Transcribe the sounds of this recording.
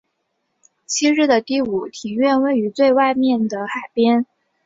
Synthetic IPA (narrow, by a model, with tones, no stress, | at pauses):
t͡ɕʰi˥ɻ̩˥˩d̪ə˩t̪i˥˩u˨˩˦t̪ʰi˨˩ɥɛ˥˧nwe˥˩ɪy˧˥t͡swe˥˧ɪwa˥˧ɪmjɛ˥˩nd̪ə˩xa˨˩ɪpjɛ˥n